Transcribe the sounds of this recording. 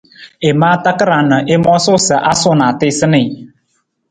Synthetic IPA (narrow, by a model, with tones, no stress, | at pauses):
e˨maː˦ta˦kə˦ɾa˨nə˨ʔe˦mɔ˦sʊ˦sə˨ʔa˦sʊ˦na˨tɪ˦sɨ˦nɪ˨